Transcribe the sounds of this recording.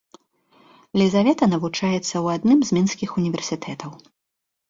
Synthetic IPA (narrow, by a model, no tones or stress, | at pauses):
lʲizavʲɛt̪ɐnɐvut͡ʂajɛt̪sːɐwad̪nɨmzʲmʲinskʲixunʲivʲɛrsʲit̪ʰɛt̪ʰɐw